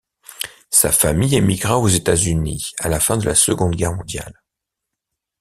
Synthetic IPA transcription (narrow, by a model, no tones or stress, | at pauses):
sa̰famijemiɡʁaozet̪azynialafɛ̃d̪əlasəɡɔ̃d̪ɡɛʁmɔ̃d̪ja̰l